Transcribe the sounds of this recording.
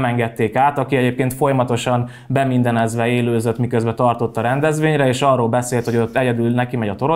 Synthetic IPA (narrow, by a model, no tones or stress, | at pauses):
mɛŋɡɛt̪ːeːkaːt̪ɒkiɛɟeːp̚keːnt̪fo̞jɒmɒt̪o̞ʃɒn | bɛmind̪ɛnɛzʋɛeːløːzøt̪mikøzbɛt̪ɒrt̪o̞t̪ːɒɾɛnd̪ɛzʋeːɲɾɛeːʃɒrːoːlbɛseːlt̪ho̞ɟo̞t̪ːɛɟɛd̪ylnɛkimɛɟɒt̪o̞ɾo